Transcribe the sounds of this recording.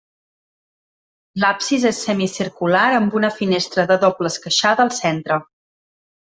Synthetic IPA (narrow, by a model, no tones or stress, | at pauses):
lapsizesːɛmisiɾkulaɾəmbunəfinest̪ɾəðəðopləskəʃaðəəːlˠsent̪ɾə